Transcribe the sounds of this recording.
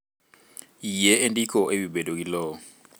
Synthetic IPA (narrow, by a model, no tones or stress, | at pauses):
ijeendikʰɔʔebibɛdok̬ilɔː